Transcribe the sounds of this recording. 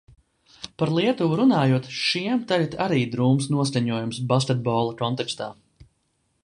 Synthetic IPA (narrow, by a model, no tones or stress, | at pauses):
paɾlˠiɛt̪uɾunaːjuɔt̪ʃiɛmt̪ɛʎt̪ʲaɾiːd̪ɾuːmsnuɔs̬kʲaɲuɔjumsbaskʲet̪̚bɔːlˠakɔnt̪ɛkst̪aː